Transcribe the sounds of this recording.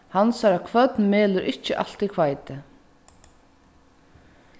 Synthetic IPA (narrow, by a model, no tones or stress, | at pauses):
hansaɾakʰvœt̪nmeːlʏɾʔɪht͡ʃːɪʔa̰l̥t̪ikʰvajt̪ɪ